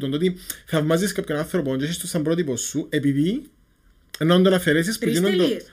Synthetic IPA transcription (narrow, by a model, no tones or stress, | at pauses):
t̪ont̪o̞t̪iθɐvmɐziskɐpçonɐnθɾopoɲt͡ʃeɕest̪osɐmbɾot̪iposːue̞piði | nond̪onɐfeɾes̬ispuinond̪o